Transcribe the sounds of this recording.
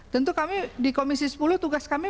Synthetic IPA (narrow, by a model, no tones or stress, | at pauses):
t̪ənt̪ukamidikomisisə̥pulʊht̪uɡaskami